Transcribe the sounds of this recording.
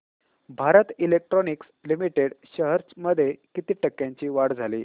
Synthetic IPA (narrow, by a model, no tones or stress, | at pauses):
bʱaɾət̪ilek̚ʈɾonikslimiʈeɽɕəɦəɾt͡sməd̪ʱːjekit̪iːʈəkːjãɲt͡ɕiːʋaɽd͡zʱalḭː